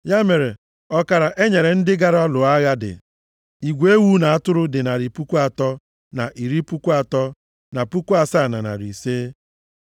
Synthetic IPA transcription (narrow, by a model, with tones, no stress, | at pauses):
ja˦me˨ɾe˨ | ɔ˦ka˨ɾa˨ʔe˦ɲe˨ɾe˨n̩˦dɪ˦ɡa˦ɾɔ˦lʊ˨a˦ɣa˦dɪ̰˨ | i˨ɡʷe˦wu˦na˨a˦˨tʊ˦ɾʊ˦dɪ˨na˨ɾi˨pu˦kʷu˦a˨tɔ˦ | na˨ʔi˨ɾi˦pu˦kʷu˦a˨tɔ˦ | na˨pu˦kʷu˦a˨sa˦˨na˨na̰˨ɾḭ˨se˦